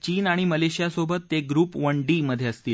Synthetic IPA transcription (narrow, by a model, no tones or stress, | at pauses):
t͡ɕiːnaɽ̃iməleɕijasobət̪ːeɡɾuːpʋəɳɖiːməd̪ʱːjeəst̪iːl